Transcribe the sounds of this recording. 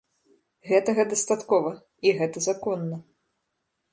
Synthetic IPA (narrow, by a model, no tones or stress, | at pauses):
ɣɛt̪ɐɣɐd̪ɐst̪at̪kɔvɐ | iɣɛt̪ɐzakɔnːɐ